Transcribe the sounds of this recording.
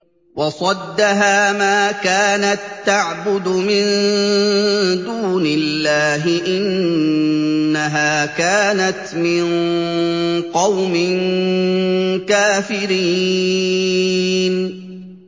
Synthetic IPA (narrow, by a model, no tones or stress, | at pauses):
wɑsˤɑd̪ːaɦaːmaːkaːnat̪ːaʕbʊd̪ʊmɪn | d̪uːnɪlːaːɦɪʔɪn | aɦaːkaːnat̪mɪn | qɑwmɪn | kaːfɪɾiː | n